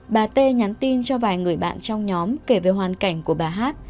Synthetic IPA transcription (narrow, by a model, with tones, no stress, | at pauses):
ɓaː˨˩t̪e˧ɲa˨˦nt̪i˧nt͡ɕɔ˧vaː˨˩jŋɨ˨˩əjɓa̰ː˧˨nt͡ɕɔ˧wŋ͡mɲɔ˨˦mke˧˩ve˨˩ɦwaː˨˩nka˧˩jŋ̟ku˧˩əɓaː˨˩ɦaː˦˥t̚